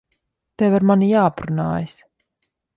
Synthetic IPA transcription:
t̪ɛvaɾmanijaːpɾuna̰ːjis

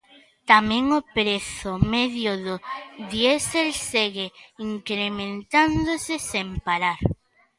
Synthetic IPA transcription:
t̪amẽŋopɾeθomeðjoðoðjeselseɣeiŋkɾemẽnt̪ãnd̪osesempaɾaɾ

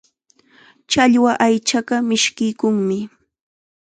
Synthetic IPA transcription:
t͡ʃaʎwaʔajt͡ʃaɢɑmɪʃkɪjkʊŋmɪ

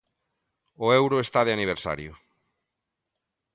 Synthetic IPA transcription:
oewɾʊest̪aðeaniβ̞eɾsa̰ɾjʊ

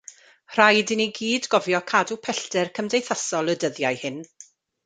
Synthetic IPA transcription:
r̥ajdɪniɡiːdɡɔvjɔkʰadupʰɛɬtɛrkʰəmdejθasɔlˠədəðjajhɪn

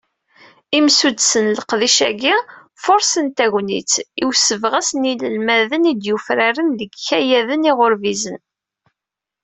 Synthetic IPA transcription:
imsud̪sənləqðiʃæ̰ɡi | fʊɾsənt̪æʝnḭt͡siwsəvʁæsniləlmæðənid̪jufɾaɾənðəɡçæjæðəniʁʊɾvizən

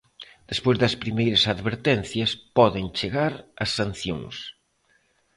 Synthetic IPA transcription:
d̪̥espojzðɐspɾimejɾɐsaðβeɾt̪ɛnθjɐspɔðent͡ʃeɣaɾɐsːan̟θjõ̰ŋs

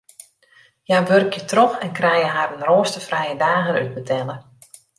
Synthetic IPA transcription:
jaʋørkjətrɔxɛnkrɛjəɦaɾənroːəstəfrɛjədaːɣəny̰d̚bətʰɛlə

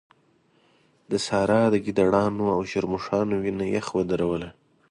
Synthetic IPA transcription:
d̪əsɑɾɑd̪əɡid̪aɽɑnoawʃaɾmuʂɑnowinajaxwəd̪aɾawəla

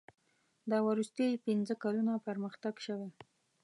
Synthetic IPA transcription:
d̪ɑwəɾust̪əjpinzəkalunapəɾməxt̪aɡʃəwe

